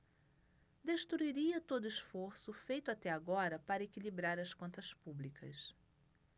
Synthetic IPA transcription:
d̪eʃt̪ɾuiɾiɐt̪od̪ʊisfoɾsʊfejt̪ʊat̪ɛaɡɔɾɐpaɾɐekilibɾaɾɐskõnt̪ɐspublikʰɐ̰s

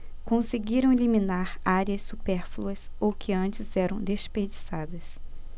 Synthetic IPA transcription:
kõseɡiɾɐ̃w̃eliminaɾaɾiɐsːupɛɾfluɐsowkʰɪɐ̃t͡ʃɪzɛɾɐ̰̃w̃d̪espeɾd͡ʒisad̪ɐs

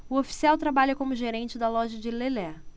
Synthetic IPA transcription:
ʊofi̥siawt̪ɾabaʎɐkõmʊʒeɾẽt͡ʃɪd̪ɐlɔʒɐd͡ʒɪlelɛ

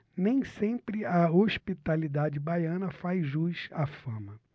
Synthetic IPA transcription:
nẽj̃sẽmpɾɪɐoʃpit̪alid̪ad͡ʒɪbajɐ̃nɐfajʒujʃafɐ̃mɐ

